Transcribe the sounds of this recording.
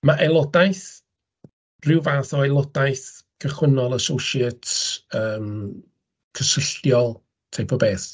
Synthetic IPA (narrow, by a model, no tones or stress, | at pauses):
maʔɛlˠɔdajθ | rɪwvaːθɔɛlˠɔdajθkʰəχwənɔlˠəsowʃɛtəːm | kʰəsəɬtjɔlˠ | tʰejpʰɔbeːθ